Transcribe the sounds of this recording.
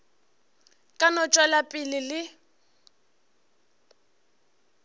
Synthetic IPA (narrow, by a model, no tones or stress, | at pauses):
kʼanɔt͡ʃʼwalapʼɪlɪlɪ